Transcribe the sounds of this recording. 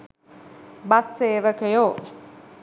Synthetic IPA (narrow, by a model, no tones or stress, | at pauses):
basːeːʋəkejo